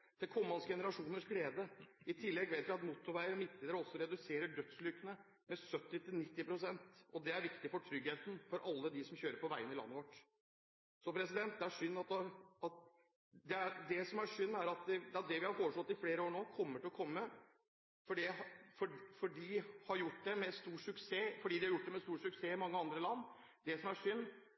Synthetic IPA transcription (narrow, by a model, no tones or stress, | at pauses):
t̪ʰɪlkʰɔmːɑnsɡɛnəɾɑʂuːnəʂɡleːd̪əɪt̪ʰɪlːɛɡʋeːt̪ʋɪɑt̪mut̪ːʊɾʋæɪəɾmɪt̪̚ləːd̪əɾəɔsːɔɾɛd̪ʉseːɾəɖœt̪slʏkənə | mɛsœt̪ːɪt̪ʰɪlnɪt̪ːɪpɾʊsɛnt̪ɔd̪ɛæɾʋɪkt̪ɪfɔʈʰɾʏɡheːt̪n̩fɔɾʔɑlːəd̪ɪsɔmçøːɾəpɔʋæɪənɪlɑ̰nːəʋɔʈː | sɔpʰɾɛsɪd̪ɛnt̪̚d̪ɛæʂʏnːɑt̪ɑt̪ | d̪ɛæd̪ɛsɔmæʂʏnːæɾɑt̪̚d̪ɛd̪ɛɑt̪̚d̪ɛʋɪhɑɾfoːʂɔt̪ːɪfleːɾəoːɾɳoːkʰɔmːəʈɪlɔkʰɔmːə | fɔɖɛɦɑfɔɖfɔɖihɑɾjʊʈːd̪ɛmɛst̪uːʈʂʉkseːfɔɖiːd̪ɪhɑɾjʊʈːd̪ɛmɛst̪uːʂʉkseːɪmɑŋːəɑnd̪ɾəlɑnː | d̪ɛsɔmæʂʏnː